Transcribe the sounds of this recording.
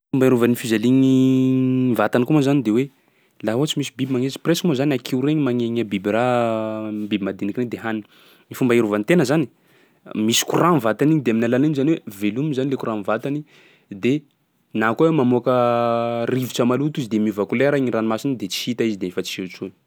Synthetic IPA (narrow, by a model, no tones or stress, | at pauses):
umbaiɾuvanifizaliɲi | vat̪anikumazanid̪ewe | laɦoat͡simisibibimaŋet͡ʃi̥preskmozanakʰiuɾeɲimaŋeɲabibra | bibimad̪inikined̪eɦanii | ifumbaiɾuvanit̪enəzani̥ | misi̥kuranvat̪aniɲd̪eaminalalinzaniwevelumizanilekuɾanvat̪ani | d̪e | nakowemamuakə | riviʈ͡ʂəmalut̪izid̪emiuvakulɛɾaiŋiranimasinid̪et͡si̥hit̪aizid̪emifat͡si̥et͡ʃun